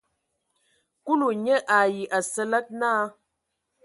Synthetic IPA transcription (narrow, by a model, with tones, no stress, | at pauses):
ku˦lu˨ɲə˦ʔa˨ji˨ʔa˨sə˦lə˦t̚na˦